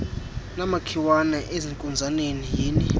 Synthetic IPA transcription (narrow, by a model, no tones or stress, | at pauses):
namakʰiwanɛʔeziŋkʼund͡zʱanenijiːni